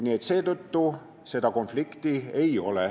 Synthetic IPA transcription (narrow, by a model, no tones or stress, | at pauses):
nʲie̞t̪se̞ːt̪ot̪ːu | se̞d̪ɑko̞nflikt̪iejo̞̰le